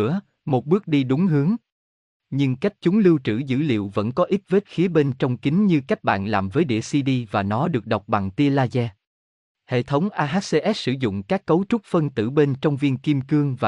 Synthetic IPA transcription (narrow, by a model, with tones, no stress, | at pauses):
ə | mo˨˩t̚ɓɨ˦˥ək̚ɗi˧ɗʊ˨˦ŋɦɨ˨˦əŋ | ɲɨ˧ŋka˦˥jk̟̚t͡ɕʊ˨˦ŋ͡mlɨ˧wt͡ɕɨ̰˧˩zɨ̰˧˥lḭ˧˨əwvə̰˧˥nkɔ˨˦ʔi˦˥t̚ve˦˥t̚xi˨˦əɓe˧nt͡ɕɔ˧wŋ͡mki˨˦ŋ̟ɲɨ˧ka˦˥jk̟̚ɓa̰ː˧˨nlaː˨˩mvəː˨˦jɗḭ˧˨əsi˧ɗi˧vaː˨˩nɔ˨˦ɗɨ˨˩ək̚ɗə˨˩wk͡p̚ɓa˨˩ŋt̪i˧əlaː˧zɛ˧ | hḛ˧˨t̪ʰə˨˦wŋ͡mʔaː˧ɦaː˦˥t̚se˧ʔɛ˦˥t̚sɨ̰˧˩zʊ̰˧˨ŋ͡mkaː˦˥kːə˨˦wt͡ɕʊ˦˥k͡p̚fə˧nt̪ɨ̰˧˩ɓe˧nt͡ɕɔ˧wŋ͡mvi˧ənki˧mkɨ˧əŋvaː˨˩